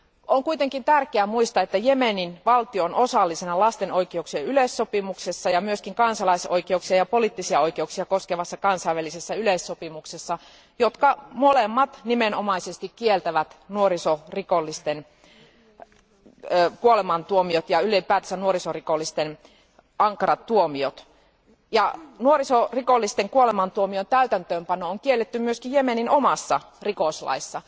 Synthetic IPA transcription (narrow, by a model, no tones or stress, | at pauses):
oŋkuit̪eŋkint̪ærkeæmuist̪ɑet̪ːæjemeninʋɑlt̪ionʔosɑlːisenɑlɑst̪enoikeuksiɑylesːopimuksesːɑjɑmyøskiŋkɑnsɑlɑiso̰ikeuksiɑjɑpoliˑt̪ːisiɑoikeuksiɑkoskeʋɑsːɑkɑnsɑiʋælisesːæylesːopimuksesːɑ | jot̪kɑmolemːɑt̪nimenomɑisest̪ikkielt̪æʋæt̪nuorisorikolːist̪en | kuolemɑnt̪uomiot̪jɑylipæːt̪æsænuorisorikolːist̪en | ɑŋkɑrɑt̪tuomiot̪ | jɑnuorisorikolːist̪eŋkuolemɑnt̪uomiont̪æyt̪ænt̪øːmpɑnooŋkielːet̪ːymmyøskijjemeninomɑsːɑ | rikoslɑ̰isːɑ